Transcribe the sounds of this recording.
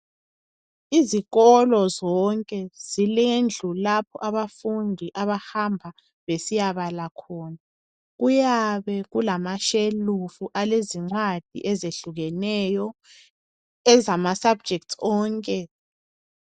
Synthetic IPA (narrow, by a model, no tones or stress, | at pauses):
iziɣɔlɔzɔŋkʼɛz̥ilend͡ɮʱulapʰɔ̰ʔaβafundʱiʔaβahambʱa | βesijaβalakʰɔːna | ɣujaβɛɣulamaʃelufuʔaleziŋ͡ǀwad̥ʱḭʔɛzeɬuɣɛnɛjɔ | ɛzamasab̚d͡ʒʱɛk̚tʰɔːŋkʼɛ